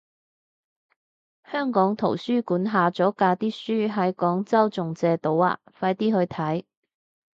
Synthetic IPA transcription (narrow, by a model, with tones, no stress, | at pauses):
hœː˥ŋkɔː˨˥ŋt̪ʰo̰˨˩wsyː˥kuː˨˥nɦaː˨˧t͡sɔː˨˥kaː˧t̪iː˥syː˥ɦɐ˨˥jkɔː˨˥ŋt͡sɐ˥wt͡sʊ˨ŋt͡sɛː˧t̪o˨˧˥wa̰ː˧fɐ˧jt̪iː˥hɵ˧ɥt̪ʰɐ˨˥j